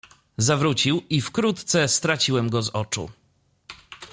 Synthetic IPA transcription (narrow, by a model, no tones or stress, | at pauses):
zavɾut͡ɕiwifkɾut̪t̪sɛst̪ɾat͡ɕiwɛmɡɔzɔt͡ʂṵ